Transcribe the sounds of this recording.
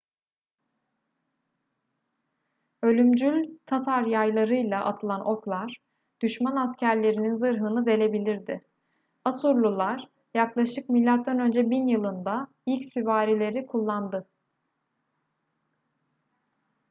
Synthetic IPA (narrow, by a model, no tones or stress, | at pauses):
ø̞lʲymd͡ʒylʲt̪ʰat̪ʰaɾjajlˠaɾɯjlˠaʔat̪ʰɯlˠanʔo̞klˠaɾ̥ | d̪̥yʃmanascʰæɾlʲe̞ɾininzɯɾɦɯnɯd̪e̞lʲe̞bilʲiɾd̪ɪ | asuɾlˠulˠaɾ̥ | jaklˠaʃɯk̚milʲːat̪̚d̪anø̞nd͡ʒɛbinjɯlˠɯnd̪a | ilʲcsyvaːɾilʲe̞ɾikʰulˠːand̪ɯ